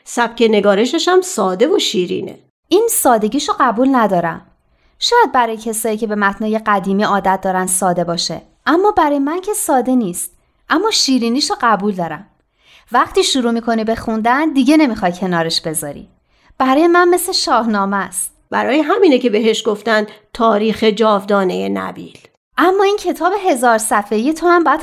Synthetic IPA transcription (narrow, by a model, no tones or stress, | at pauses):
sæb̥̚cʰene̞ɡɒːɾe̞ʃeʃæmsɒːd̪e̞voʃiːɾḭːnḛ | ʔiːnsɒːd̪e̞ɟiːʃoɢæbuːlnæd̪ɒːɾæ̰m | ʃɒːjæd̪̚bæɾɒːjecʰesɒːjiːcʰe̞be̞mæt̪ʰnɒːje̞ɢæd̪iːmiːɒːd̪æt̪̚d̪ɒːɾænd̪sɒːd̪e̞bɒːʃḛ | ʔæmːɒːbæɾɒːjemæncʰe̞sɒːd̪e̞niːst̪̚ | ʔæmːɒːʃiːɾiːniːʃoɢæbuld̪ɒːɾæm | væχt̪iːʃuɾuːmiːkʰo̞nibe̞xund̪ænd̪iɟe̞ne̞mixɒjcʰe̞nɒːɾe̞ʃbe̞zɒ̰ɾḭː | b̥æɾɒːjemænme̞sleʃɒːhnɒːmæst̪̚ | b̥æɾɒːjeɦæmiːnece̞beɦeʃɡoft̪ænd̪t̪ʰɒːɾiːxe̞d͡ʒɒːvd̪ɒːnejenæ̰bḭːl | ʔæmːɒːiːncʰe̞t̪ʰɒːbe̞ɦe̞zɒːɾsæfe̞ijet̪ʰohæmbɒjæd̪